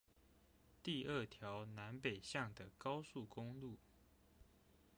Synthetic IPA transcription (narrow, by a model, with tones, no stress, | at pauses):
t̪i˥˧ə˥˩t̪ʰjɑ˨˦ʊna˧˦npe˨˩ɪɕjɑ˥˩ŋd̪ə˩kɑ˥ʊsu˥˩kʊ˥ŋlu˥˩